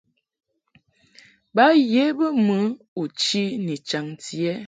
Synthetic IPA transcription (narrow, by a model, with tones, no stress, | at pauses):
ba˦je˦bə˦mə˦ | u˨t͡ʃi˦ni˨t͡ʃa˨ŋti˨ɛ˦